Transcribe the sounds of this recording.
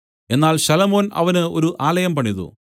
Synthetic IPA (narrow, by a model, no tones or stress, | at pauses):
e̞nːaːlɕɐlɐmo̞ːnɐ̰ʋɐnɨo̞̰ɾuʔaːlɐjɐmpɐɳːiðṵ